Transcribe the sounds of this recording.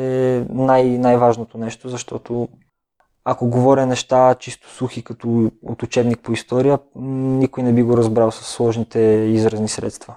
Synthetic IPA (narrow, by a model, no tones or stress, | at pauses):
ɛnajnajvaʒnot̪onɛʃt̪ozɐʃt̪ɔt̪o | akoɡovɔɾʲɐnɛʃt̪at͡ʃist̪o̥suxikɐt̪oo̰t̪ʊt͡ʃɛbnik̚poist̪ɔɾijənikojnɛbiɡoɾɐzbɾalˠsɐsːlˠɔʒnit̪ɛizɾɐznisɾɛ̰t̪st̪vɐ